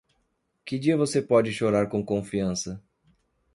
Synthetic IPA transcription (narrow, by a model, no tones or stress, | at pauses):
kɪd͡ʒiɐvosepɔd͡ʒɪʃoɾaɾkõkõfiɐ̃sɐ